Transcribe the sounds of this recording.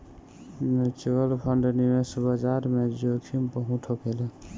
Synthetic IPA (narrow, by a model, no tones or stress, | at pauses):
net͡ʃuəlpʰəɳɖnimesbəd͡ʒaɾmed͡ʒokʰimpəɦũʈʰokele